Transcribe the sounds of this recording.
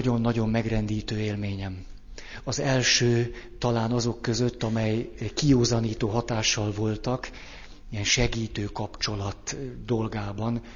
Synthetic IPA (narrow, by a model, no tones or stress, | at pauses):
ɟo̞nːɒɟo̞mːɛɡrɛnd̪iːt̪øːeːlmeːɲɛm | ɒzɛlʃøːt̪ɒlaːnɒzo̞kːø̞zø̞t̪ːɒmɛjkijoːzɒniːt̪oːɦɒt̪aːʃːɒlvo̞lt̪ɒk | ijɛnʃɛɡiːt̪øːkɒpt͡ʃo̞lɒt̪d̪o̞lɡaːbɒn